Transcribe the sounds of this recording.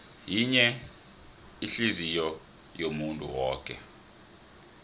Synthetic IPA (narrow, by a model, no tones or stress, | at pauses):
jiɲɛ | iɬizijɔ | jomuntʼṵwɔːkʼɛ̰